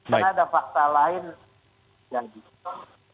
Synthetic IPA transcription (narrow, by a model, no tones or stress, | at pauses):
taadafak̚t̪alaɪn | d͡ʒadi